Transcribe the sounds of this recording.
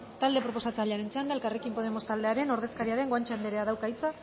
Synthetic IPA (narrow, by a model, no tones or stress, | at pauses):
t̪ald̪e̞pɾo̞po̞sat͡salʎaɾe̞nt͡seand̪aelkare̞kimpo̞ð̞e̞mo̞st̪ald̪e̞aɾe̞no̞ɾð̞eskaɾiaɾe̞ŋɡoant͡ʃand̪eɾe̞aðawkajt͡sa